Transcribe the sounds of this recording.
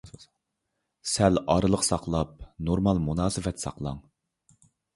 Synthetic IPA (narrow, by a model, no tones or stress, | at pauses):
sɛlɑɾɨlˠəqsɑqlˠɑp̚noɾmɑlˠmunɑːsɨfɛt̪ʰsɑ̰qlˠɑ̰ŋ